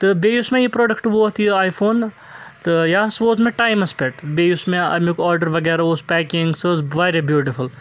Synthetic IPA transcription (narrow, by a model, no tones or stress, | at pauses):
t̪ɨbeːjusmẽjipɾoːɖɐkʈʋoːt̪jiaːjfʰoːn | t̪ɨjaːsʋoːzmẽʈaːjmɐspeʈbeːjusmeɐ̰mikɔːɾɖəɾʋɐɡɛːɾaoːspɛːkiŋɡsɨzʋɐːɾʲebjuːʈifʰul